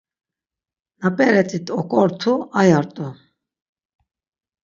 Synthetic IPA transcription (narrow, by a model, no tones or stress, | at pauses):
napʼɛɾɛt͡sʼit̪ʰʼɔkʼɔɾt̪ʰuajaɾt̪ʼu